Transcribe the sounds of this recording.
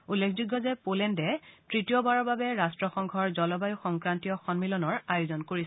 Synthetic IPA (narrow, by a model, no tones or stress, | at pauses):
ulːekʰzuɡːɔzɛpolɛndɛtɹitijɔbaɹɔɹbabɛɹastɹɔxɔŋɡʱɔɹzɔlɔbajuxɔŋkɹantiɔxɔnmilɔnɔɹajʊzɔnkoɹis